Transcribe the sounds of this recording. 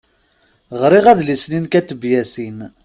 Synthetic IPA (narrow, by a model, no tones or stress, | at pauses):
ʁɾiʁæðlisninkæt̪ːəbjæsin